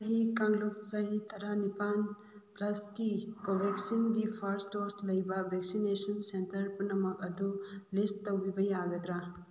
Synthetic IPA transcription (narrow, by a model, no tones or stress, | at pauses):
sɦikaŋluk̚sɐɦit̪ʰɐɾanipan | plɐskikobʱeksindipʰɐɾstoslɐjbɐbʱeksinesɐnsentɐɾpunɐmɐkɐd̪ulisttːɐwbibɐjaɡɐd̪ɾa